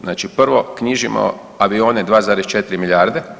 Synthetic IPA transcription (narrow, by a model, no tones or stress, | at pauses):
znaːt͡ʃipr̩ʋo̞kɲiʒimo̰ | aʋioːned̪ʋaːzaːɾest͡ʃet̪ɾimiʎʲaːɾd̪e